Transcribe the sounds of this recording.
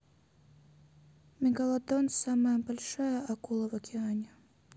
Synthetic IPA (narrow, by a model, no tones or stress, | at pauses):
mʲikɐlˠad̪ɔnsamɐjɐbalʲʂajɐʔɐkulˠɐvɐkʲɛanʲɛ